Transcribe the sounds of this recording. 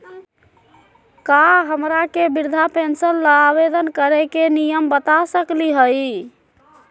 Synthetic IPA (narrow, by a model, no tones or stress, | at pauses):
kaɦəmɾakebiɾd̪ʱapʰensəlːəabed̪ənkəɾɛkenijəmbət̪asəkliɦəj